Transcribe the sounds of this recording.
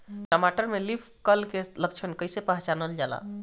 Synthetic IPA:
ʈəmaʈəɾmelipʰkəlkeləkt͡ʃʰənkəjsepəɦt͡ʃanəld͡ʒala̰

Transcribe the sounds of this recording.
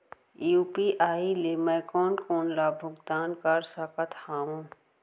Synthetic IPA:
juːpiːʔaːilemɛ̃ːkɔːnkoːnlaːbʱʊɡd̪aːnkaːɾsaːkət̪haːũː

